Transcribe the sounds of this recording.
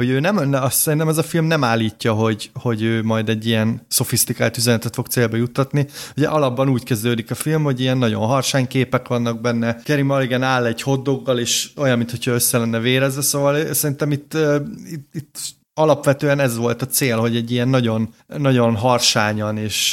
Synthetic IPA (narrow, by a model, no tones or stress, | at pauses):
ho̞ɟøːnɛmnsɛɾint̪ɛmɛzɒfilmnɛmaːlːiːcːɒɦo̞ɟho̞ɟøːmɒjd̪ɛɟːijɛnso̞fist̪ikaːlt̪yzɛnɛt̪ɛt̪fo̞kt̪seːlbɛjut̪ːɒt̪nihoɟɛ̰ʔɒlɒbːɒnuːckɛzd̪øːd̪ikɒfilmho̞ɟijɛnːɒɟo̞̰nɦɒrʃaːɲkeːpɛkʋɒnːɒɡ̚bɛnːɛkɛɾimɒliɡɛnaːlːɛɟho̞d̪ːo̞ɡːɒleːʃo̞jɒmːint̪hocʰɒøsːɛlɛnːɛveːɾɛzʋɛsoːvɒlsɛɾint̪ɛmit̪ːøit̪it̪ː | ɒlɒpʋɛt̪øːɛnɛzʋo̞lt̪ɒt̪seːlɦo̞ɟɛɟːijɛnːɒɟo̞nːɒɟo̞nɦɒrʃaːɲɒneːʃ